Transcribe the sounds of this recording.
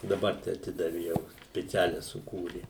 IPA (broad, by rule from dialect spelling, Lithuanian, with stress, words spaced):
dɐˈbɐr tɐɪ ɐˈtʲɪdɐʋʲɪ jɛʊ sʲpʲɪˈt͡sʲæːlʲɛ sʊˈkuːrʲɪ